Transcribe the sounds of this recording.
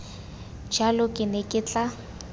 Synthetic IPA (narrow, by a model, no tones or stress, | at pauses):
d͡ʒalʊkʼɪnekʼɪt͡ɬʼa